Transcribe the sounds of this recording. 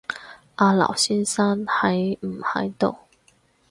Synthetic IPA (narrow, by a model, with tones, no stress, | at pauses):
a˧lɑ̰˨˩ʊɕi˥nsa˥nxa˨˧˥ɪm̩˨˩xa̰˨˧˥ɪt̪o˨˩˦ʊ